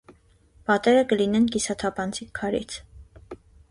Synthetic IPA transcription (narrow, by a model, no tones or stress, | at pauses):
b̥ɑt̪ɛɾəkəlinɛnkisɑt̪ʰɑpʰɑnt͡sʰikʰːɑɾḭt͡sʰ